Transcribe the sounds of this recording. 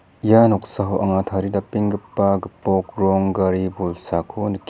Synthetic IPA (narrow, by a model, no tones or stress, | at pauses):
janɔksaɦoʔɐ̰ŋatʰaɾidapiŋɡɯpːaɡɯpɔkɾɔŋɡaɾibojsakʰonik